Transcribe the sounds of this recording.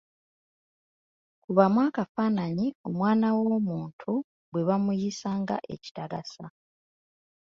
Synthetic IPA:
kuβamwaːkafaːnaɲio̞mwaːnawo̞muːntʰu | bwe̞βamujisaːŋɡa̰ʔe̞̰ci̥taɡasa

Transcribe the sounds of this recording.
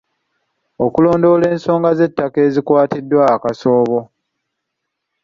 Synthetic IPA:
okulo̞ːndo̞le̞ːnso̞ːŋɡaze̞tːake̞zikwaːtidːwaːkaso̞ːβo̞

